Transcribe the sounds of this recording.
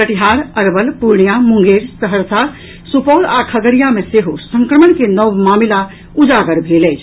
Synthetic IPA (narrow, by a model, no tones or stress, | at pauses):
kəʈiɦaɾəɾbəlpuɾɳijamũŋɡeɾsəɦəɾsʰa | supɔlakʰəɡəɾijameseɦosə̃ŋkɾəməɳkenəwmamila | ud͡ʒaɡəɾbʱeləjt͡ʃʰ